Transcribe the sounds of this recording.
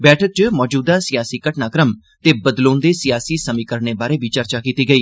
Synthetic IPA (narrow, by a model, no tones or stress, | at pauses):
bɛːʈʰək̚t͡ʃəmɔːd͡ʒuːd̪aːsɪjaːsiːkəʈnaːkɾəm | t̪eːbəd̪loːnd̪eːsɪjaːsiːsəmiːkəɾneːbaːɾeːbiːt͡ʃəɾt͡ʃaːkiːt̪iːɡəiː